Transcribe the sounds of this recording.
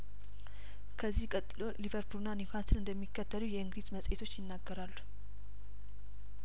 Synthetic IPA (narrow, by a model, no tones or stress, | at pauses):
kʰəzːihkʼət̪ʼːɨlo̞livəɾpʰulnanikʰat̪ʰɨnɨnd̪əmːikʰːət̪ʰːəlujɛɨŋɡɾizməsʼet̪ʰo̞t͡ʃːjɪnːaɡːəɾalːu̥